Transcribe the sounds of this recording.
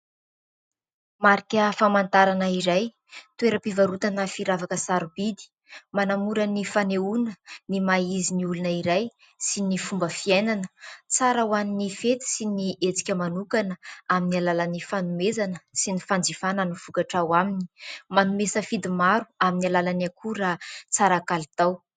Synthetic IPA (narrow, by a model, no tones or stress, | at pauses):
maɾikʲəfamant̪aɾanəiɾaj | t̪ueɾəpivaɾut̪anəfiɾavakəsaɾubid̪i̥ | manamuɾənifaneunənimaiziniulunəiɾaj | sinifumbəfienanət͡saɾawaninifet̪i̥siniʔet͡si̥kʲəmanukanəaminialalanifanumezanəsinifand͡zifananifukaʈ͡ʂawamini̥manumesəfid̪imaɾuaminialalanakʰuɾat͡saɾakalit̪aw